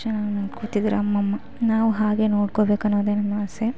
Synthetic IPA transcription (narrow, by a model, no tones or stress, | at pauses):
ɐnaːnoːɽkoɭt̪id̪iɾɐmːɐmːɐ | naːʋuɦaːɡe̞no̞ːɽkobeːkɐnːoːd̪eːnɐmːɐse